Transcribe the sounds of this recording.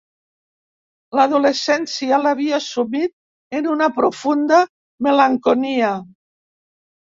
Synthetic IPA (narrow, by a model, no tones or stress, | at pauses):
laðulesɛnsialaβiasumit̪̚ | enunapɾofund̪a | melaŋkonia